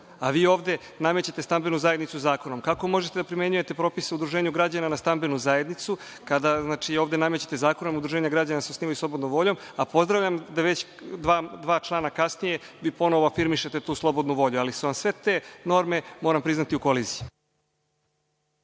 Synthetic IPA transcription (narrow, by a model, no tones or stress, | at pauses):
aʋiːo̞ːʋd̪e̞ | namet͡ɕet̪e̞st̪ambenuzaje̞d̪nit̪suzaːko̞no̞mkako̞mo̞ʒet̪ed̪apɾime̞ɲuje̞t̪e̞pɾo̞ːpiseud̪ɾuʒeːɲuɡɾad͡ʑananast̪ambenuzae̞d̪nit̪su | kad̪aznaːt͡ʃioːvd̪e̞namet͡ɕet̪ezaːko̞nomud̪ɾuʒeɲaɡɾad͡ʑanaseosniːʋajuslˠobd̪nõmʋo̞ʎo̞mapo̞zd̪ɾaʋʎamd̪aʋet͡ɕ | d̪ʋaːd̪ʋaːt͡ʃlˠaːnakasnije̞ʋiːpo̞noʋoafiɾmiʃe̞t̪e̞t̪uːslˠo̞bo̞d̪nuʋo̞ʎualisuʋamsʋe̞t̪e̞ːno̞ːɾme̞mo̞ːɾampɾiznat̪iukoliːziju